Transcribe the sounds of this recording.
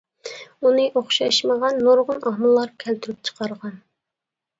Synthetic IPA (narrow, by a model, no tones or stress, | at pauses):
unɨʔoχʃɑʃməʁɑnːoɾʁʊnʔɑhmulˠːɑɾkʲʰɛlt̪ʰyɾyp̚t͡ʃʰə̥qɑɾʁɑn